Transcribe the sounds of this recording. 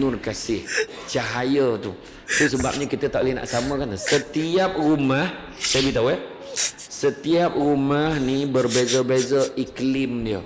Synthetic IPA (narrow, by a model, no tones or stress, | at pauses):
nʊrkasɪh | t͡ʃaɦajət̪u | t̪usəbap̚ɲə̃kit̪ət̪aʔlina̰ʔsamə̃kansət̪iap̚rumah | sajəbit̪awə | sət̪iap̚rumahnibərbezəbezəʔiklɪmdiə